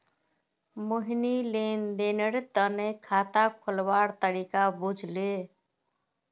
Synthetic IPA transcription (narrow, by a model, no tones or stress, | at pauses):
moɦinilend̪enəɾt̪ənekʰat̪akʰolbaɾt̪əɾikabud͡ʒʱle